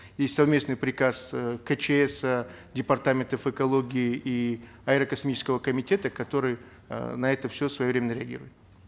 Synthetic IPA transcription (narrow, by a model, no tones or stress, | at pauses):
jesʲtʲsɐvmʲe̞snɨjpɾʲɪkaskət͡ɕeɛsədʲɪpɐrt̪amʲɪnt̪əfɨkɐlˠo̞ɡʲɪɪi | ɐɪɾəkɐsmʲit͡ɕɪ̥skəvəkəmʲɪtʲe̞t̪əkɐt̪o̞ɾɨj̰ | nɐɛt̪əfsʲosvɐjovɾemʲɪnəɾʲɪɐɡʲḭɾʊjɪt̪